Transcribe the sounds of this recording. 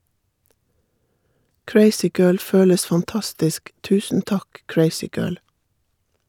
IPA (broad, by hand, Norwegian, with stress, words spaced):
ˈkɹeɪsɪˌɡɜːɭ ˈføːləs fɑnˈtɑstɪsk ˈtʉːsn̩ ˈtɑk ˈkɹeɪsɪˌɡɜːɭ